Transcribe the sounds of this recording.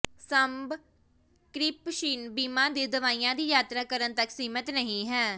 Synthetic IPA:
səmb | kɾiːpʃiːnbiːmãːd̪iːd̪əʋaːiːãːd̪iːjaːt̪ɾaːkəɾənt̪əksiːmət̪nəɦĩːɦɛː

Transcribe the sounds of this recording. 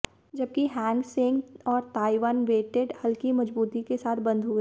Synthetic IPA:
d͡ʒɐb̚kiɦɛ̃ːŋɡsẽŋɡɔːɾt̪aːiʋaːnʋeːʈeɖhɐlkimɐd͡ʒbuːt̪ikesaːt̪ʰbɐ̃nd̪ʱɦʊe

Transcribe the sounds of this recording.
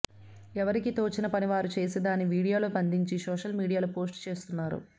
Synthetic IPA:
ɛʋɐɾikit̪oːt͡ʃinɐpɐniʋaːɾut͡ʃe̞ːsed̪aːnːiʋiːɽijo̞ːloːpɐnd̪iɲt͡ʃisɔːʂɐlmiːɽijaːlupo̞ːs̬ʈt͡ʃe̞ːst̪unːaːɾṵ

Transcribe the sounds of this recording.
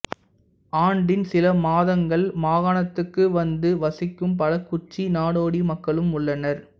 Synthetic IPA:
aːɳɖɪnsɪlɐmaːðɐŋɡɐɭmaːɣaːɳɐt̪ːɯkːɯʋɐnd̪ɯʋɐsɪkːɯmpɐlɐkːʊt͡ʃːinaːɽoːɽimɐkːɐɭɯmʊɭːɐnɐɾ

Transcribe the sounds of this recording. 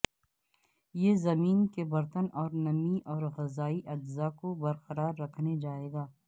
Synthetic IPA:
jeːzɐmiːnkebɐɾt̪ənɔːɾnɐmiʔɔːɾɣɐzaːiʔɐd͡ʒzakobɐɾqɐɾaːɾːɐkʰned͡ʒaːeːɡaː

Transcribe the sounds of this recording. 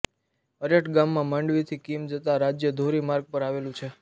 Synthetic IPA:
əɾjəʈɡamːãmãɳɖʋit̪ʰikimd͡ʒət̪aɾad͡ʒjəd̪ʱoɾimaɾɡ̚pəɾaʋelũt͡ʃʰe

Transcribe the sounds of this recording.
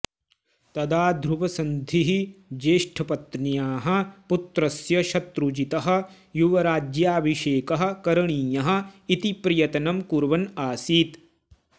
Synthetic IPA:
t̪ɐd̪aːd̪ʱɾuʋɐsɐnd̪ʱiɦid͡ʒeːʂʈʰɐpɐt̪nijaːɦɐ̆put̪ɾɐsjɐʃɐt̪ɾud͡ʒit̪ɐɦɐ̆ | juʋɐɾaːd͡ʒjaːbʱiʃeːkɐɦɐ̆kɐɾɐɳiːjɐɦɐ̆it̪ipɾijɐt̪ɐnɐmkuɾʋɐnaːsiːt̪

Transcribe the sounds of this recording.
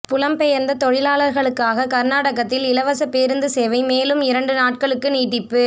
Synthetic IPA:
pʊlɐmpɛjɐɾnd̪ɐt̪ɔɻɪlaːlɐɾɣɐɭɯkːaːɣɐkɐɾnaːɽɐɣɐt̪ːɪlɪlɐʋɐsɐpeːɾɯnd̪ɯseːʋɐɪmeːlɯmɪɾɐɳɖɯnaːʈkɐɭɯkːɯniːʈːɪpːɯ

